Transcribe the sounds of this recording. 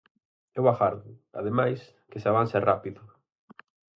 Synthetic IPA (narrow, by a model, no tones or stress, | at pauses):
ewaɣaɾðʊa̰ðemajs | kesaβanserapiðʊ